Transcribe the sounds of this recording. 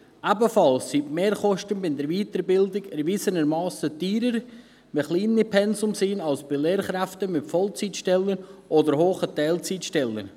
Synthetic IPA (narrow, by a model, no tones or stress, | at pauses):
ʔabəfɑlsːitmeːɾχɔʃtənbɪnd̪ɛɾʋiːtəɾbɪldɪɡɛɾvisənəɾmɑːsətiːɾəɾ | məχliːnipʰɛnsʊmsiːnɑlsb̥ɪleːɾχɾæftəmɪtfɔlt͡sitʃtɛlːənʔɔdəɾhoːχətɛɪlt͡sitʃtɛlːə̰n